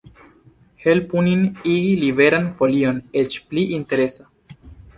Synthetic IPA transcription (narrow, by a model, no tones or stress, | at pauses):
helpuniniɡilibe̞ɾanfo̞lio̞net͡ʃpliʔinte̞ɾe̞sa